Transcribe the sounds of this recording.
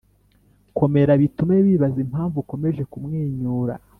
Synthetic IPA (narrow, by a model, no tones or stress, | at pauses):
ko̞me̞ɾaβitumeβiːβazim̥haːɱvuko̞me̞ʒe̞kumŋiːɲuːɾa̰